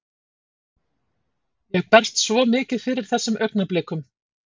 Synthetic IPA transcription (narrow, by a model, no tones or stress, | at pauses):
jɛɣpɛr̥st̪svɔmɪːcɪðfɪɾɪɾ̥θɛsːʏmʔœɥknaplɪːkʏm